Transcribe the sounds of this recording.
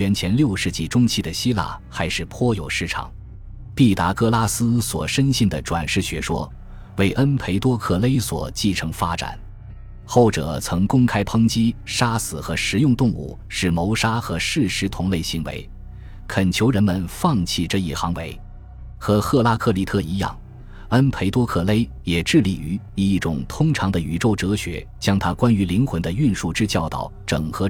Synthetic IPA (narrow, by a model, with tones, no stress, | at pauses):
ɥɛ˧˥nt͡ɕʰjɛ˧˥nljo˥˧ʊʂɻ̩˥˧t͡ɕi˥˩ʈ͡ʂʊ˥ŋt͡ɕʰi˥˩d̪ə˩ɕi˥la̰˥˩xa˧˥ɪʂɻ̩˥˩pʰwɔ˥jo˨˩ʊʂɻ̩˥˩ʈ͡ʂʰɑ̰˨˩˦ŋ | pi˥˩t̪a˧˥kɤ˥˧la˥sɹ̩˥swɔ̰˨˩ʂə˥nɕi˥˩ŋd̪ə˩ʈ͡ʂwa̰˨˩nʂɻ̩˥˩ɕɥɛ˧˥ʂwɔ̰˥ | we˥˩ɪʔə˥npʰe˧˥ɪt̪wɔ˥kʰɤ˥˩le˥ɪswɔ̰˨˩t͡ɕi˥˩ʈ͡ʂʰɤ˧˥ŋfa˥ʈ͡ʂa̰˨˩˦n | xo˥˩ʊʈ͡ʂɤ̰˨˩t͡sʰɤ˧˥ŋkʊ˥ŋkʰa˥ɪpʰɤ˥ŋt͡ɕi˥ʂa˥sɹ̩˨˩xɤ˧˥ʂɻ̩˧˥jʊ˥˧ŋt̪ʊ˥˧ŋṵ˥˩ | ʂɻ̩˥˩mo˧˥ʊʂa˥xɤ˧˥ʂɻ̩˥˩ʂɻ̩˧˥t̪ʰʊ˧˥ŋle˥˩ɪɕi˧˥ŋwḛ˧˥ɪ | kʰə˨˩nt͡ɕʰjo˧˥ʊɻə˧˥nmə˨nfɑ˥˧ŋt͡ɕʰi˥˧ʈ͡ʂɤ˥˧i˥˩xɑ˧˥ŋwe˧˥ɪ | xɤ˧˥xɤ˥˩la˥kʰɤ˥˩li˧˥t̪ʰɤ˥˩i˧˥jɑ̰˥˩ŋ | a˥npʰe˧˥ɪt̪wɔ˥kʰɤ˥˩le˥ɪ | jɛ˨˩ʈ͡ʂɻ̩˥˩lḭ˨˩y˧˥ | i˧˩i˥˩ʈ͡ʂʊ̰˨˩ŋt̪ʰʊ˥ŋʈ͡ʂʰɑ˧˥ŋd̪ə˧y˧˥ʈ͡ʂo˥˩ʊʈ͡ʂɤ˧˥ɕɥɛ̰˧˥ | t͡ɕjɑ˥ŋt̪ʰa˥kwa˥ny˧˥li˧˥ŋxwə˧˥nd̪ə˧y˥˧nʂu˥˩ʈ͡ʂɻ̩˥t͡ɕjɑ˥˩ʊt̪ɑ̰˨˩˦ʊʈ͡ʂɤ̰˨˩ŋxɤ˧˥